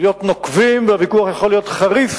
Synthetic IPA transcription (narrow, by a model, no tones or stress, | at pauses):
jo̞t̪nokvimveavikuaχjaχolːijo̞t̪χaʁif